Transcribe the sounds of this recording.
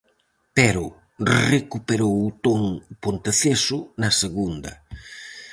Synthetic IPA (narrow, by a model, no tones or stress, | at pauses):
pɛɾʊ | rekupeɾowʊt̪oŋpont̪eθesʊnɐseɣund̪ɐ̰